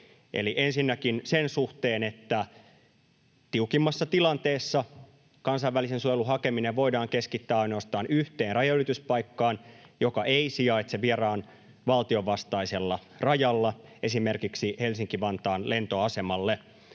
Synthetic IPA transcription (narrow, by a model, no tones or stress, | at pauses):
ḛliʔensinːækinsensuht̪eːnet̪ːæ | t̪iukimːɑsːɑt̪ilɑnt̪eːsːɑ | kɑnsɑiʋælisensujeluɦɑkemineʋʋo̞idɑːŋkeskit̪ːæːɑino̞ɑst̪ɑːnyht̪eːnrɑjɑylit̪yspɑikːɑːnjokɑʔeisiɑit̪seʋierɑːn | ʋɑlt̪io̞ʋɑst̪ɑiselːɑ | rɑjɑlːɑe̞simerkiksihelsiŋkiʋɑnt̪ɑːnle̞nt̪oɑse̞mɑlːe